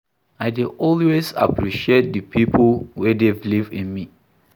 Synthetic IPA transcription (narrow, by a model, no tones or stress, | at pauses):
aɪdiʔɔlwesa̰pɹiʃiet̚dəpʰipʰəlwɛdevlivḭ̃nmi